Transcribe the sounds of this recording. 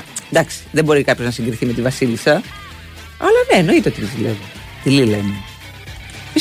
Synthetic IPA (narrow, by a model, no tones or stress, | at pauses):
nd̪ɐksi̥ðebo̞ɾikɐpço̞znɐsiŋɡɾiθime̞t̪ivɐsilisɐ | ɐlɐne̞ːno̞it̪eot̪it̪izsilḛvi | t̪ililɐime | i